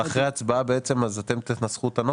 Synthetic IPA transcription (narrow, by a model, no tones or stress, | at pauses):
aχʁejat͡sbaabeet͡se̞mazat̪e̞mt̪itnasχut̪ano